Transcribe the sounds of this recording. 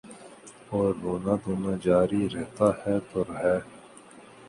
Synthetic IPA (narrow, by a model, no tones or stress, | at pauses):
oːɾɦoːnaːd̪oːnad͡ʒaːɾiɾɛɦt̪aːhɛt̪oɾɦɛː